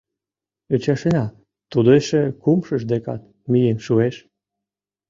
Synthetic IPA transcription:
yt͡ɕɑʃenɑ | t̪ud̪eʃekumʃəʃd̪ekɑt̪̚ | mijenʃueʃ

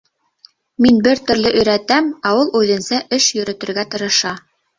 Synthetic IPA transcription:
minbɘɾt̪ɵ̆ɾlɘʔɵ̆jɾæt̪æmæwɤlˠʉðɘ̆nsæʔɘʃjɵ̆ɾɘ̆t̪ɘ̆ɾɡæt̪ɤ̆ɾɤ̆ʃɑ

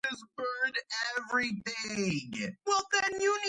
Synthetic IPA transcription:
ɪsbɜ˞ɾɛvɹiθɪ̃ŋwɛlˠðɨ̃njɨni

